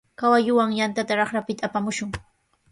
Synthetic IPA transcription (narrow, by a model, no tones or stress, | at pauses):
kawajʊwaŋjant̪at̪aɾɑχɾapɪt̪aːpamʊʃʊŋ